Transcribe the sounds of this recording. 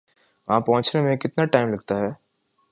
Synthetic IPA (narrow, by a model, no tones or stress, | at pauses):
ʋɐɦãpɐɦʊ̃t͡ʃnemẽkɪt̪naʈaːɪmlɐɡt̪aɦɛː